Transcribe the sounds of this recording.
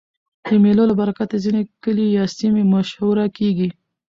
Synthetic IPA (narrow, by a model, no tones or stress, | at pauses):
d̪̥əmelolabaɾakat̪əzinekəlijɑsimemaʃhuɾakeɡi